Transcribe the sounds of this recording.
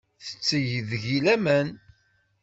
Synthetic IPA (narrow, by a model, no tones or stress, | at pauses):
θə̥t͡sːəʝðʝilæmən